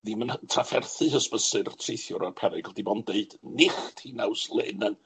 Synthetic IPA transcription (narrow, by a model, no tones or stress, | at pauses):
ðiməntʰrafɛrθɨhəspəsɨrtʰrejθjʊɾɔrpʰɛɾɪɡlˠdibɔnd̥eɨd̥nɪχtʰhiːnawslˠḛːnɛn